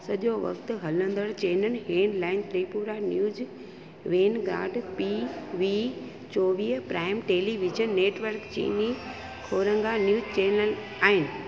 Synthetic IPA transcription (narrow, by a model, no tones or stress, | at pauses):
sɐʄjoʋɐ̰kt̪ʊ̆ɦɐlə̃nd̪əɽt͡ɕeːnənɪ̆ɦeːnlaːɪnt̪ɾiːpuːɾanjuːz | ʋeːnɡɾa̰ːɖpiʋi | t͡ɕoːʋiːɦpɾaːɪmʈeːliʋɪd͡ʒənːeːʈʋəɾkt͡ɕḭːni | kʰoːɾə̃ŋɡanjuːd͡ʑt͡ɕeːnəl | aːɦɪnɪ̆